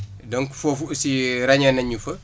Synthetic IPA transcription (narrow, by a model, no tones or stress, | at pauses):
dɐŋkufɔfusiɾɐɲɐnɐɲufɐ